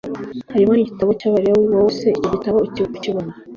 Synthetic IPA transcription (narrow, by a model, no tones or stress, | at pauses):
haɾimoniɟitaβocaβaɾiawiβawoseicoɟitaβoiciβoku̥ciβona